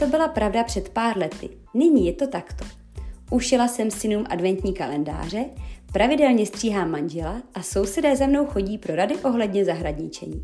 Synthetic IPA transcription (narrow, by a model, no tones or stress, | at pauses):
t̪o̞bɪlapɾavdapr̝̥ɛt̪paːɾlɛt̪ɪ̰ | nɪɲiːjɛt̪o̞t̪akt̪o̞̥ | ʔuʃɛlasɛmsɪnuːmʔa̰dvɛnt̪ɲiːkalɛnda̰ːr̝ɛpɾʔavɪdɛlɲɛst̪r̥iːɦaːmand͡ʒɛlaʔaso̞wsɛdɛːzɛmno̞wxo̞ɟiːpɾo̞ɾadɪʔo̞ɦlɛdɲɛzaɦɾaɲɪt͡ʃɛ̰ɲḭː